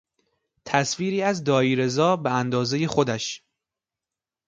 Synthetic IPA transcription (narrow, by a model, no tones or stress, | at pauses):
t̪ʰæsviːɾiːæzd̪ɒːiːɾe̞zɒːbeænd̪ɒːzejexo̞d̪æʃ